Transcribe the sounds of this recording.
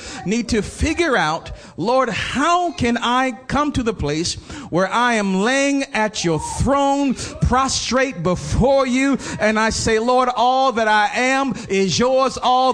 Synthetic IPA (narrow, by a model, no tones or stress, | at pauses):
nid̚tʰɨfɪɡjə˞aʊt | lɔɹd̚haʊkʰɨ̃naɪkʰʌ̃mtʰɨðəpʰl̥eɪswə˞ʔaɪɨ̃mleɪɪ̃ŋɨt͡ʃə˞θɹõʊ̃npʰɹ̥ɑstɹ̥eɪt̚b̥əfɔɹjʉɨ̃naɪseɪlɔɹɾɔlˠðɨɾaɪʔɨ̃mɪzjɔɹzɔl